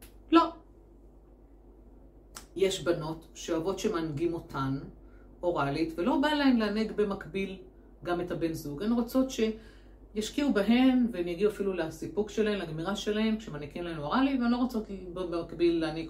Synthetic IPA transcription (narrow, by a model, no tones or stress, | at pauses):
lo̞ | jeʃbano̞tʃeavo̞tʃemanɡimo̞tʰan | o̞ʁalitvelo̞balaemleaneɡbe̞makbil | ɡamethabe̞nzuɡenʁot͡so̞tʃe̞ | jaʃkiubaɦe̞mvenjaɡiuafilulasipukʃelaemleaɡmiʁaʃe̞lahe̞mkʃemanikimlaenuoʁaliveanlo̞ʁot͡sokibbemakbilːeaneɡ